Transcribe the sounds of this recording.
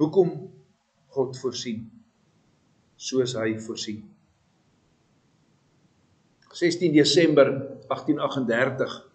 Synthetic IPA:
ɦukɔm | χɔtfuərsin | suəəsɦəjfuərsin | sɛstindiəsɛmbərɐχtinɐχəndærtəχ

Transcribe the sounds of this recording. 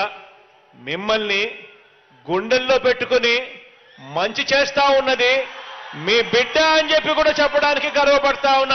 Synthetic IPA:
mimːɐlni | ɡuɳɖelːo̞ːpeʈːukuni | mɐɲt͡ʃit͡ʃeːst̪aːunːɐd̪imiːbiɖːeɐɲd͡ʒe̞pːikuːɽaːt͡ʃɛpːɐɽaːnikiɡɐɾʋɐpɐɽɐt̪aːunːa

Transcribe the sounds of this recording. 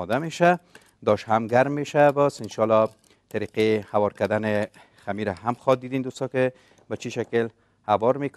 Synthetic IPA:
d̪ameʃa | d̪ɔʃhamɡaɾmːeʃabɔsɪnʃɑlɒ | t̪aɾiqehawɒɾkad̪anɪ | xamiɾaɦamxɔt̪̚d̪id̪end̪ust̪ɔkɪ | bat͡ʃiʃakɪl | hawɒɾmek

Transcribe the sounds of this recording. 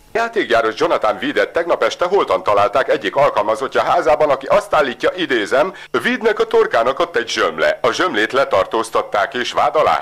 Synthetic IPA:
jaːt̪eːkjaːɾo̞ʒd͡ʒo̞nɒt̪aɱviːd̪ɛt̪ːɛɡnɒpɛʃt̪ɛɦo̞lt̪ɒnt̪ɒlaːlt̪aːkɛɟːikɒlkɒlmɒzo̞cːɒɦaːzaːbɒnɒkiʔɒst̪aːlːiːcːɒʔid̪eːzɛm | viːd̪nɛkɒt̪o̞rkaːnɒkot̪ːɛɟʒømlɛ̰ɒʒømleːt̪lɛt̪ɒrt̪oːst̪ɒt̪ːaːkeːʃʋaːd̪ɒla̰ː

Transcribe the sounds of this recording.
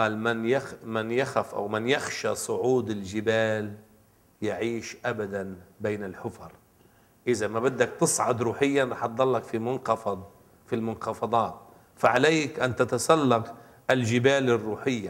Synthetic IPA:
ɑːlmɪnjaxmɪnjaxafʔa̰wmɪnjaxʃasˤʊʕuːd̪ɪlʒɪbaːl | jaʕiːʃʔabad̪anbeːnɪlħʊfɑɾˤ | ʔɪzamabad̪ːak̚t̪ɨsˤʕʊd̪ɾuːħɪjːanɾˤɑħt̪̚d̪ˤɑlːɑkfimʊnxɑfɑd̪ˤ | filmʊnxɑfɑd̪ˤɑːt̪̚ | faʕaleːkʔant̪at̪asalːɑq | ʔɪlʒɪbaːlɪrːuːħɪjːa

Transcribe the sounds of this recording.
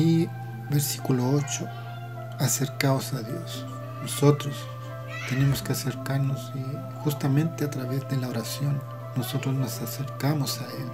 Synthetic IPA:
i | beɾsi̥kuloot͡ʃo | aseɾkaosaðjo̞̰s | noso̞t̪ɾos | t̪e̞ne̞moskeaseɾkaɾnosi | xust̪amẽnt̪eat̪ɾaβe̞zde̞laoɾasjo̞nː | oso̞t̪ɾoznosaseɾkamosael

